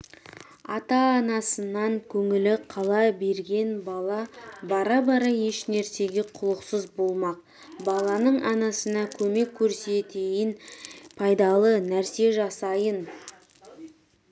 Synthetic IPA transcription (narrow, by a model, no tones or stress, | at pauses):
ɑ̰t̪ɑːnɑsənɑŋkʲʰɵŋɪlɪqʰɑlˠɑbe̞ɾɡʲe̞nbɑlˠɑbɑɾɑbɑɾɑje̞ʃnæɾse̞ɡʲe̞qʰʊlˠəqsəzbo̞lˠmɑq̚ | bɑlˠɑnəɴɑnɑsənɑkʲʰɵme̞kʲʰːɵɾse̞t̪e̞jɪnpʰɑjd̪ɑlˠənæɾse̞ʒɑsɑjən